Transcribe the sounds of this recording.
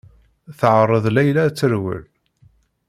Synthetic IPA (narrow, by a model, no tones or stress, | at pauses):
θəʕərˤːəðˤlæjlæt͡sːəɾwə̰l